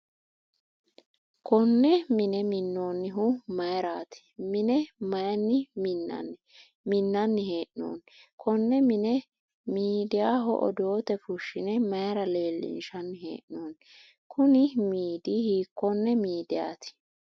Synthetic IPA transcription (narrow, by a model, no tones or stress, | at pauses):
kʰɔnːɛmɪnɛmɪnːo̞ːnːɪɦʊmɐjɾaːt̪ɪ̥mɪnɛmɐjɐnːɪmɪnːɐ̰nːɪ | mɪnːɐnːɪɦeːʔno̰ːn | kʰɔnːɛmɪnɛ | miːd̪ɪjaːɦɔ̰ʔɔ̰d̪oːt̪ɛfʊʃːɪnɛmɐjɾɐle̞ːlːɪ̰nʃɐnːɪɦḛːʔnoːn | kʰʊnɪmiːd̪ɪhiːkːɔnːɛmiːd̪ɪja̰ːt̪ɪ̥